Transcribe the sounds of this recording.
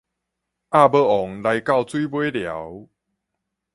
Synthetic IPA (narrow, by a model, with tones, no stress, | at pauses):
ʔa˥˧˨bə˧ɔ˨˦ŋla˨˧˦jka˥˨wt͡swi˦bwe˦lja̰˨˦w